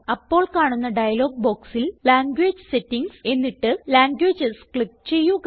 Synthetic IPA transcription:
ɐpːo̞ːɭkaːɳunːɐɖɐjɐlo̞ːɡ̚bo̞ːksillaːŋɡweːd͡ʑɨsetːiŋɡse̞nːiʈːɨlaːŋɡweːd͡ʑɨskɭip̚t͡ɕe̞jːuk

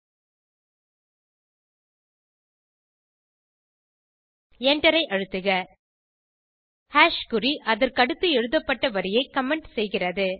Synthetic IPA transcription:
ɛɳɖɐɾɐɪʔɐɻɯt̪ːɯɣɐ | haːʂkʊɾiʔɐðɐɾkɐɽɯt̪ːɯɛɻɯðɐpːɐʈːɐʋɐɾɪjɐɪkɐmɛɳʈsɛjɣɪrɐðɯ

